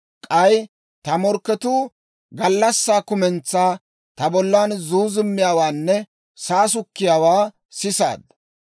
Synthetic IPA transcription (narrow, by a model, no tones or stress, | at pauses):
kʼɐj | t̪ɐmɔɾkːɛt̪uː | ɡɐlːɐsːaːkʊmɛnt͡sːaː | t̪ɐbɔlːaːnzuːzɪmːɪjaːwaːnːɛ | saːs̬ʊkːɪjaːwaː | sɪsa̰ːd̪